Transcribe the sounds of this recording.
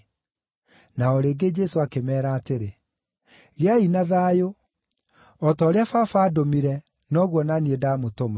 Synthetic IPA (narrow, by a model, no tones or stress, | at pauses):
naɔɾeːɡed͡ʒɛsoakemɛːɾaːteɾe | ɣeainaðaːjo | ɔtaːɾeafafaːdomiɾɛ | nɔɣwɔnaniedaːmotoma